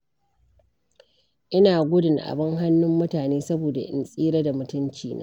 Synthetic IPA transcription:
ʔɪ˦naː˨ɡʷʊ˦dɪ˨ŋʔa̰˨bɐ˦ŋɦa˦nːʊ˦mːʊ˦taː˨neː˦sɐ˦boː˨da˨ʔɪ̰˨nsʼiː˦ɾɐ˦da˨mʊ˨tʊ˦nt͡ʃiː˦nʔa̰ː˦

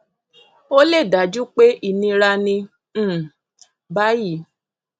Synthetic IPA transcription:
o˦le˦˨da˨˦d͡ʒu˦k͡pe˦i˦˨nĩ˧ɾa˧nĩ˧˦˨ | ba˦ji˦˨

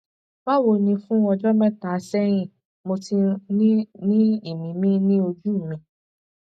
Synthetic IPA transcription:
ba˦wo˧nĩ˧fũ˦ɔ˧d͡ʒɔ˦mɛ̃˦ta˨˧sɛ˦ɾ̃ĩ˦˨ | mo˧ti˧nĩ˦nĩ˦i˦˨mĩ˨mĩ˦nĩ˦o˧d͡ʒu˦˨mĩ˧

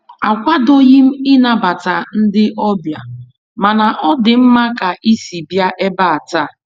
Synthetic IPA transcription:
a˨kʷa˦do˦ɣi˦m̩˦ɪ˦na˨ba˨ta˨n̩˦dɪ˦ʔɔ˦bja˨ | ma˨na˨ʔɔ˦dɪ˨m̩˦ma˦ka˨ʔi˦si˨bja˦ʔe˦ba˦a˨ta˦˨

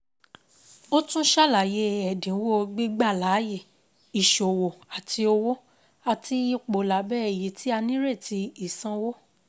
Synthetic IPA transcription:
o˦tũ˦ʃa˦˨la˨je˨˧˦ɛ˨dĩ˨˦wo˦˧ɡ͡bi˦ɡ͡ba˦˨la˨˦je˦˨ | i˨ʃo˨wo˨a˨tʰi˧o˧wo˦ | a˨ti˧i˦k͡po˨la˨bɛ˦˨je˨˦tʰi˦a˧nĩ˦ɾe˦˨ti˧i˦˨sã˧wo˦

